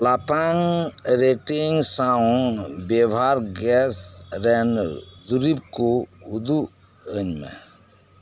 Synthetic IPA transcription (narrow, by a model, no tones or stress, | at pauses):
lapaŋɾeʈiŋsã | bebʱaɾɡɛsɾend̪uɾib̚koud̪u | ənmḛ̃